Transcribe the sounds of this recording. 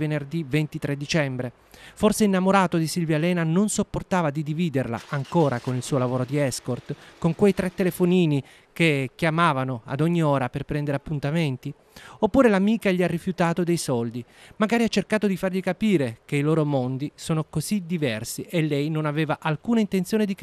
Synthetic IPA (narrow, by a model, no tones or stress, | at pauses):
venerd̪ivent̪it̪ɾed̪ːit͡ʃɛmbɾe | forseinːamoɾaːt̪od̪isilvjalɛːnanonsopːort̪aːvad̪id̪iviːd̪erla̰ʔaŋkoːɾakonilsuːolavoːɾod̪iɛskort̪koŋkwejt̪ɾet̪ːelefoniːni | kek̟jamaːvanoa̰d̪ɔɲːioːɾaperpɾɛnd̪eɾeapːunt̪ament̪i | opːuːɾelamiːkaʎiarːifjut̪aːt̪od̪ejsɔld̪imaɡaːɾiat͡ʃːerkaːt̪od̪ifarʎikapiːɾek̟eiloːɾomond̪isoːnokozid̪ivɛrsiʔelːɛjnonaveːvaʔalkuːnaint̪ent̪sjoːned̪ik